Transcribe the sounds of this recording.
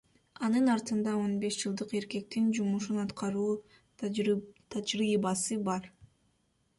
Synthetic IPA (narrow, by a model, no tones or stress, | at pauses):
ɑnɯnɑɾt̪ɯnd̪ɑo̞nbe̞ʃd͡ʒɯlˠd̪ɯqe̞ɾke̞k̚t̪ind͡ʒumuʃunɑt̪qʰɑɾuː | t̪ʰɑd͡ʒɾiːbɑsɯbɑɾ